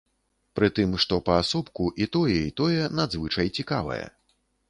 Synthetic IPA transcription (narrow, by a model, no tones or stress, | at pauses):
pɾɨt̪ɨmʂt̪ɔpɐasɔpkuʔit̪ɔjɛit̪ɔjɛnad̪zvɨt͡ʂɐjt͡sʲikavɐ̰jɛ̰